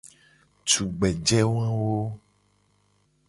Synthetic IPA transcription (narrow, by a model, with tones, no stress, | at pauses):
t͡ʃu˨ɡ͡bɛ˨d͡ʒɛ˦wã˦wo˦